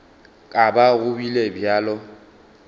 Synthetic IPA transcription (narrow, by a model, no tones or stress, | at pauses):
kʼabaɣʊbilebjaːlɔ